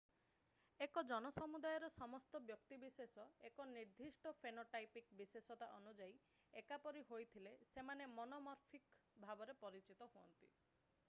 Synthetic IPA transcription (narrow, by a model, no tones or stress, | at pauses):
ekɔd͡ʒɔnɔsɔmud̪ajɔɾɔsɔmɔst̪ɔbjɔkt̪ibisesɔekɔniɾd̪ʱisʈɔpʰenoʈajpikbisesɔt̪aʔɔnud͡ʒai | ekapɔɾiɦojt̪ʰilesemanemɔnɔmɔɾpʰikbʱabɔɾepɔɾit͡ʃit̪ɔɦoɔ̰nt̪i